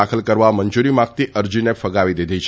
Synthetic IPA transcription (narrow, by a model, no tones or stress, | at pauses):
akʰəlkəɾʋaməɲd͡ʒuɾimãk̚t̪iʔəɾd͡ʒinefəɡaʋid̪id̪ʱit͡ʃʰ